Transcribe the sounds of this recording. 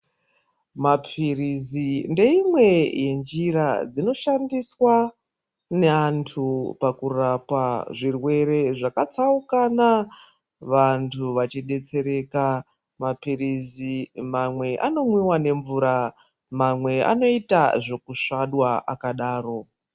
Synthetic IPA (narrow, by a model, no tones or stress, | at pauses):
mapʰirizinde̞imwe̞je̞nd͡ʒiɾad͡zino̞ʃandiswa | ne̞antʰupakurapaʐirwe̞ɾe̞ʐakat͡saukana | ʋantʰuʋat͡ʃiɗe̞t͡se̞ɾe̞ka | mapiɾizimamwe̞ʔa̰no̞mwiwane̞ɱvuɾa | mamwe̞a̰no̞itaʐo̞kuʂaɗwaʔa̰kaɗaːro̞